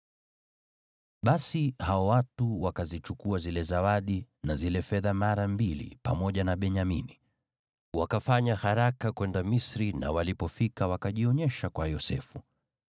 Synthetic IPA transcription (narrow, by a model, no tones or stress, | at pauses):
ɓasihaɔwatuwakazit͡ʃukuazilɛzawaɗinazilɛfɛðamaɾambilḭpamɔʄanaɓɛɲamini | wakafaɲahaɾakakwɛndamisɾina̰walipɔfikawakaʄiɔɲɛʃakwajɔsɛ̰fu